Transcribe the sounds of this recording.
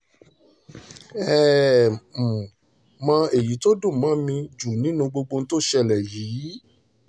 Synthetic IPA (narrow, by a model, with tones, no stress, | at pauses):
ɛ˦˨m̩˨ | mã˧e˨ji˨˦to˦dũ˦˨mã˨˦mĩ˧d͡ʒu˨nĩ˨˦nũ˧ɡ͡bo˧ɡ͡bo˧n̩˦to˦ʃɛ˧˨lɛ˨jiː˨˦